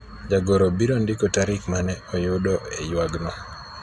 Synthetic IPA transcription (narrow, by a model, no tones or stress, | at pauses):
d͡ʒaɡoɾobiɾondɪkɔtaɾɪkmanɛɔjʊdɔḛjwaɡnɔ